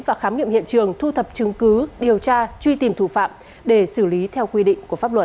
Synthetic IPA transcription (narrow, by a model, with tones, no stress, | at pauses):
nvaː˨˩xaː˨˦mŋḭ˧˨mhḭ˧˨ənt͡ɕɨ˨˩əŋt̪ʰu˧t̪ʰə˨˩p̚t͡ɕɨ˨˦ŋkɨ˨˦ɗi˨˩əwt͡ɕaː˧t͡ɕwi˧t̪i˨˩mt̪ʰu˧˩fa̰ː˧˨m | ɗe˧˩sɨ˧˩li˨˦t̪ʰɛ˧wkwi˧ɗḭ˧˨ŋ̟ku˧˩əfaː˦˥p̚lwə˨˩t̚